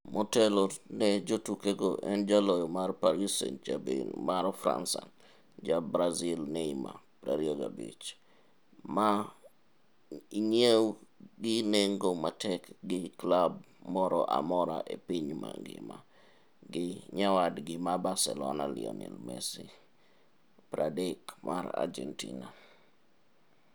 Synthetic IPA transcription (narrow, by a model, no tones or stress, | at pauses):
motelonɛd͡ʒotukeɡoʔɛnd͡ʒalɔjɔmarpaɾisḛnd͡ʒabinmaɾɔfɾa̰nsa | d͡ʒabɾazilnɛima̰pɾaɾjoɡabḭt͡ʃ | ma | iɲewɡɪneŋɡomatɛkɡɪklab̚ | mɔɾɔʔamɔɾaʔepiɲmaŋɡɪ̰ma | ɡɪɲawadɡɪmabaɾsɛlɔnalɪ̰ɔ̰nɛlmɛsi | pɾadɛkmʔaɾa̰d͡ʒɛntina